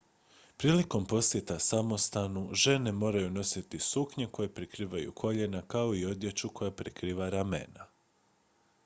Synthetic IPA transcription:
pɾiːliko̞mpo̞sje̞t̪asamo̞st̪anuʒe̞ne̞mo̞ːɾajuno̞sit̪isukɲe̞ko̞jepɾikɾiːʋajṵkʰo̞ʎe̞nakao̞io̞d̪je̞t͡ʃuko̞japɾekɾiːʋaɾamḛna

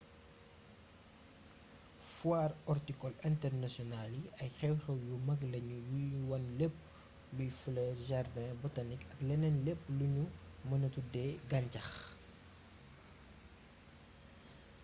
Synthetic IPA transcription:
fwaːrɔrtikɔlɛntɛrnɐsjɔnaliɐjxɛwxɛwjumɐɡlɐɲuwiwɐnlɛpː | lujflɛːrʒardɛ̃bɔtɐnikɐklɛnɛnlɛpːluɲumɐnɐtudɛɡɐɲcɐx

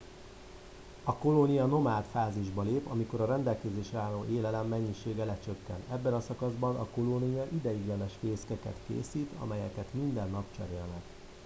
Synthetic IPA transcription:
ɒko̞lonijɒno̞maːt̪faːziʒbɒleːpɒmiko̞ɾɒrɛnd̪ɛlkɛzeːʃɛaːlːoːʔeːlɛlɛmːɛɲːiʃeːɡɛlɛt͡ʃøkːɛ̰nt̪ɛbːɛnɒsɒkɒzbɒnɒko̞lonijɒʔid̪ɛjiɡjɛnɛʃfeːskɛkɛ̰t̪kḛːsiːt̪ʰɒ̰mɛjɛkɛt̪mind̪ɛnːɒpt͡ʃɛ̰ɾeːlnɛk

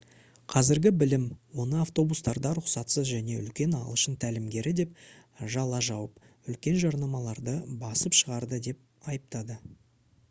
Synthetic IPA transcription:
qʰɑzɪɾɡʲɪbɪlɪmwo̞nəaft̪o̞bust̪ɑɾd̪ɑɾʊqsɑt̪səzʒæne̞ʏ̰lkʲe̞nɑ̰lˠəʃənt̪ʰælɪmɡʲe̞ɾɪd̪e̞pʒɑlˠɑʒɑwəp | ʏlkʲe̞nʒɑɾnɑmɑlˠɑɾd̪əbɑsəpʃəʁɑɾd̪əd̪e̞p̚ | ɑjəp̚t̪ɑd̪ə

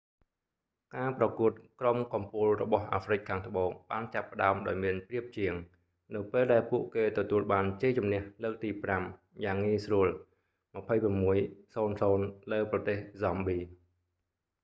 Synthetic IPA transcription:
kaːprɑkuət̪̚kromkɑmpulrɔɓɑhʔaːfrɨc̚kʰːaːŋt̪ʰə̆ɓoːŋɓaːnt͡ɕapːə̆ɗaəmɗaɔjmiənpriəp̚t͡ɕiəŋ | nɨwpeːlɗaɛlpuəʔkeːt̪ɔt̪uəlɓaːnt͡ɕeːt͡ɕumnɛ̆əhləːk̚t̪iːpram | jaːŋːiəsruəl | mapʰəjpramːuəjsoːnsoːnləːprɑt̪eːhzɑmɓiː

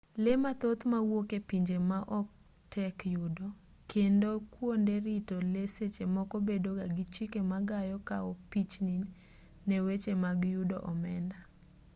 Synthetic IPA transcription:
lemat̪ot̪mawokepiɲd͡ʒemaʔɔk̚ | tɛkjudɔ | kendokwondeɾɪtoleset͡ʃemɔkɔbedoɡaɡit͡ʃikemaɡajɔkaɔpit͡ʃninː | ewet͡ʃemaɡjudɔ̰ʔɔmɛnda

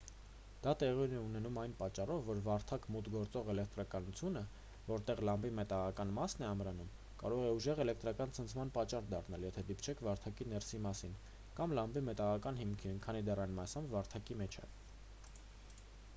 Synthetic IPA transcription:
d̪̥ɑt̪ɛʁjunɛunɛnumɑjnpɑt͡ʃːɑrɔvːɔɾvɑɾt̪ʰɑkmut̪ɡɔɾt͡sɔʁɛlɛk̚ʰt̪ɾɑkɑnut͡sʰjunə | vɔɾt̪ɛʁlɑmbimɛt̪ɑʁɑkɑnmɑsnɛɑmɾɑnum | kɑɾɔʁɛuʒɛʁɛlɛk̚ʰt̪ɾɑkɑnt͡sʰənt͡sʰmɑnpɑt͡ʃːɑrd̪ɑrnɑljɛt̪ʰɛd̪ipt͡ʃʰɛkʰvɑɾt̪ʰɑkinɛɾsimɑsin | kɑmlɑmbimɛt̪ɑʁɑkɑnɦimkʰinkʰɑnid̪ɛɾɑjnmɑsɑmvɑɾt̪ʰɑkimɛt͡ʃʰɛ̰

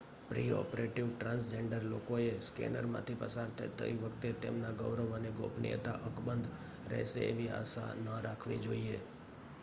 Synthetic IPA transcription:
pɾiɔ̰pɾeʈiʋʈɾãnsd͡ʒeɳɖəɾlokoeskɛ̰nəɾmã̰t̪ʰipəsaɾt̪ʰət̪ə̰iʋəkʰt̪et̪ḛmnaɡəʋɾəʋaneɡo̰pnḭjət̪a̰ʔəkbənd̪ | ɾə̰ɦʃḛḛʋia̰ʃa̰nəɾakʰʋid͡ʒoie

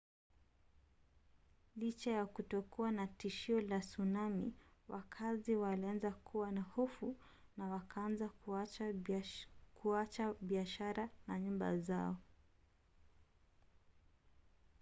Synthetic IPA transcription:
lit͡ʃajakutɔkuwanatiʃiɔlasunamḭwakʰaziwalianzakuwanahɔfu | nawakʰaanza | kʰuat͡ʃaɓiaʃaɾanaɲumba̰zaɔ

